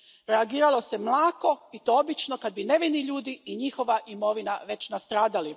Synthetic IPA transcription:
ɾeaɡiːɾalˠo̞se̞mlˠaːko̞it̪oobit͡ʃno̞kad̪̚bine̞ʋiniʎuːd̪iːɲixo̞ʋaʔimo̞ʋinaʋe̞t͡ɕnast̪ɾaːd̪ali

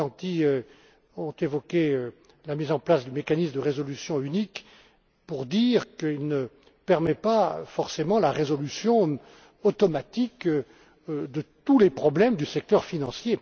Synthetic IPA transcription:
ɑ̃t̪iø | ɔ̃t̪evɔkʲeø | lamizɑ̃plasd̪ymekanismd̪əʁezɔlysjɔ̃ynik | puʁd̪iːʁkəilnə | pɛʁmɛpafɔʁsemɑ̃laʁezɔlysjɔ̃ | ɔt̪ɔmat̪ik | d̪ət̪ulepχɔblɛmd̪ysɛk̚t̪œʁfinɑ̃sje

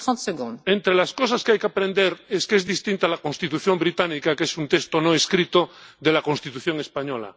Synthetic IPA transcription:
t̪ɑ̃t̪səɡɔ̃d̪ẽnt̪ɾelaskosaskeajkeapɾẽnd̪eɾeskeezðist̪ĩnt̪alakonst̪it̪uθjombɾit̪anikakesunt̪est̪onoeskɾit̪oðelakonst̪it̪uθjoŋespaɲola̰

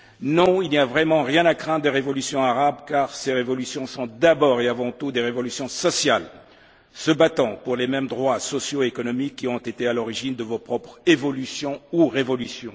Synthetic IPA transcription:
nɔ̃ilniavʁɛmɑ̃ʁjɛ̃nakχɛ̃d̪d̪əʁevɔlysjɔ̃aʁabkaʁseʁevɔlysjɔ̃sɔ̃d̪abɔʁeavɑ̃t̪ud̪eʁevɔlysjɔ̃sɔsjal | səbat̪ɑ̃puʁlemɛmd̪ʁwasɔsjoekɔnɔmikːiɔ̃t̪et̪ealɔʁiʒind̪əvopχɔpχevɔlysjɔ̃uʁevɔlysjɔ̃

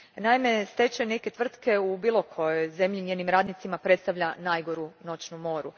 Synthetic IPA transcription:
naime̞st̪e̞t͡ʃene̞ke̞t̪ʋr̩t̪ke̞ubiːlˠo̞kʰo̞jeze̞mʎiɲʲjeːnimɾaːd̪nit̪simapɾe̞t̪st̪aʋʎʲanajɡo̞ɾuno̞t͡ʃnumo̞ːɾu

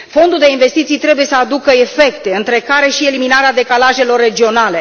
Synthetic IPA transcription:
fo̞nd̪uld̪e̞inve̞st̪it̪sijt̪ɾe̞buje̞səad̪ukəe̞fe̞kt̪e̞ɨnt̪ɾe̞kaɾe̞ʃie̞liminaɾead̪e̞kalaʒe̞lo̞rːe̞d͡ʒio̞nale̞

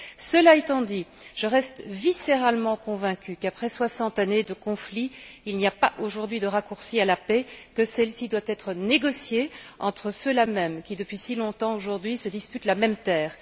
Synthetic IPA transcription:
səlaet̪ɑ̃d̪iʒ̥əʁɛst̪viseʁalmɑ̃kɔ̃vɛ̃kʲykapχɛswasɑ̃t̪aned̪əkɔ̃fliilniapaʔoʒuʁd̪ɥid̪əʁakuʁsialapɛkəsɛlsid̪wat̪ɛt̪χəneɡɔsjeɑ̃t̪χəsəlamɛmkʲid̪əpɥisilɔ̃t̪ɑ̃oʒuʁd̪ɥisəd̪ispyt̪lamɛmt̪ɛːʁ

